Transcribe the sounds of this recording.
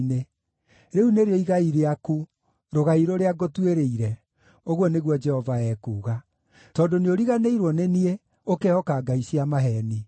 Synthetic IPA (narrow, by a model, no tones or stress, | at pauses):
ne | ɾeuneɾeɔiɣaiɾeaku | ɾoɣaiɾoɾeaɡotweɾeiɾɛ | oɣwɔneɣwɔd͡ʒɛhɔvaɛːkuːɣa | tɔdoneoɾiɣaneiɾwɔnenie | okeɔkaːɡaisiamaɦɛni